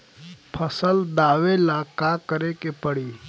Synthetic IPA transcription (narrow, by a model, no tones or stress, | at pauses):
pʰəsəld̪aːʋelaːkakəɾekepəɽiː